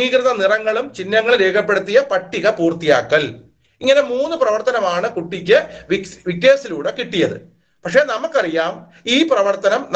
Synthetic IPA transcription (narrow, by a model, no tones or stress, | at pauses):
iːkriðɐnirɐŋːɐɭumt͡ɕinːɐŋːɐɭɾeːkʰɐpːeɽut̪ːijɐpɐʈːiɣɐpuːrt̪ija̰ːkːɐl | iŋːɐne̞muːnːɨprɐʋɐrt̪ɐnɐmaːɳɨkuʈːikʲːɨʋʋikːeːsiluːɽe̞kiʈːijɐðɨ̰ | pɐkʂe̞nɐmukːɐrijaːm | iːprɐʋɐrt̪ɐnɐmn